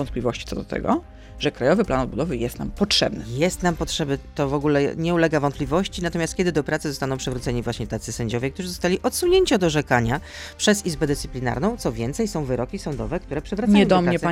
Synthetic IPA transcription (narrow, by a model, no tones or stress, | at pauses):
ɔnt̪plʲivɔɕt͡ɕi̥tsɔd̪ɔt̪ʰɛ̰ɡɔ̰ | ʐɛkɾajɔvɘplanɔd̪̚bud̪ɔvɘjɛst̪na̰mpɔtʂɛ̰bnɘjɛst̪nampɔtʂɛbɘt̪ɔvɔɡulɛɲɛulɛɡavɔnt̪plʲivɔɕt͡ɕinat̪ɔmʲast̪kʲɛd̪ɘd̪ɔpɾat̪sɘzɔst̪anɔ̃wpʂɛvɾut̪sɛɲivwaɕɲɛt̪at̪sɘsɛɲd͡ʑɔvʲjɛk̚t̪uʐɘzɔst̪alʲiʔɔt̪suɲeɲt͡ɕiɔd̪ɔʐɛkaɲa | pʂɛzizbɛd̪ɨst̪ɘ̥plʲina̰ɾnɔ̃w̃t̪sɔvʲjɛnt̪sɛjsɔ̃w̃vɘɾɔkʲisɔnd̪ɔvɛkt̪uɾɛpʂɛvɾaɲaɛj̪̃ɔmɾaɲɛsa